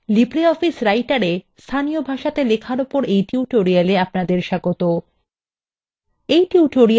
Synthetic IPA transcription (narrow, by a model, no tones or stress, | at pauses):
libɾeɔfisɾajʈaɾest̪ʰaniobʱaʃat̪elekʰaɾopoɾejʈiuʈoɾijaleapnad̪eɾʃaɡot̪o | ejʈuuʈoɾi